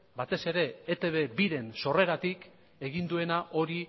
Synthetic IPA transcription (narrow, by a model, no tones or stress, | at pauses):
bat̪e̞se̞ɾe̞ːt̪e̞βe̞biɾe̞nso̞re̞ɾat̪ik | e̞ɣ̞ind̪ue̞naʔo̞ɾi